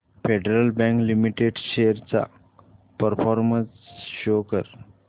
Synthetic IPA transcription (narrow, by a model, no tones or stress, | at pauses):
feɖeɾəlbɛ̃ŋklimiʈeɖɕeəɾt͡sa̰ | pəɾfɔɾmənsɕokəɾ